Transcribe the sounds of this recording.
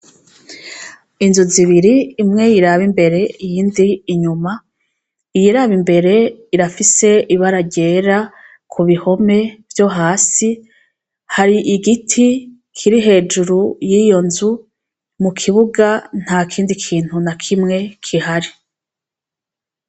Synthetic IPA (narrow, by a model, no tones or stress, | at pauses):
inzuziβiɾiːmŋe̞jiɾaβimbe̞ɾe̞ijiːndiːɲuma | ijiɾaβimbe̞ɾe̞iɾafise̞iβaɾaɟe̞ːɾa | kʰuβiho̞me̞v̥jo̞ɦaːsi | haɾiʔiɡitʰi | kʰiɾiɦe̞ːd͡ʒuɾujijo̞nzu | mukʰiβuɡan̥haːkʰiːndikʰiːn̥hunakʰimŋe̞kʰiɦaɾi